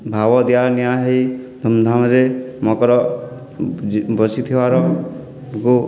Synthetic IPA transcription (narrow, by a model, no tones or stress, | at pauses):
bʱawɔd̪ijaɾnijaɦejd̪ʱɔmd̪ʱamɾemɔkɔɾɔ | bɔsit̪ʰiʋaɾɔ | ku